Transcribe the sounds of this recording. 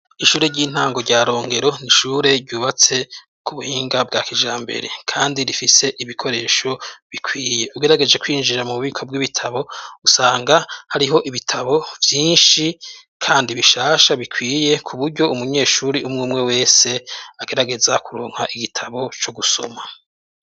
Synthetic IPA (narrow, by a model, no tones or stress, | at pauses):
iʃuːɾe̞ɾɟiːn̥haːŋɡo̞ɾɟaːɾo̞ːŋɡe̞ɾo̞niʃuːɾe̞ɾɟuːβat͡se̞ | kʰuβuhiːŋɡab̚ɡaːkiʒaːmbḛɾe̞̰kʰaːndiɾifise̞ʔiβikʰo̞ɾe̞ːʃo̞βikʰwiːje̞ʔuɡe̞ɾaɡe̞d͡ʒe̞kwiːnd͡ʒiɾamuβuβiːkʰob̚ɡiβitʰaβo̞usaːŋɡahaɾiɦo̞ʔiβitʰaβo̞vjiːnʃi | kʰaːndiβiʃaːʃaβikwiːjekʰuβuɾɟo̞umuɲe̞ːʃuːɾiʔumŋuːmŋe̞we̞ːse̞aɡe̞ɾaɡe̞zakuɾuːŋ̥haʔiɡitʰaβo̞t͡ʃo̞ɡuso̞̰ma